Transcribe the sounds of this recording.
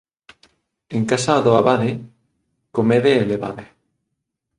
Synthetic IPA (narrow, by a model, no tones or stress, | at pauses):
eŋkasaːðoaβaðe | komeðeːleβa̰ðe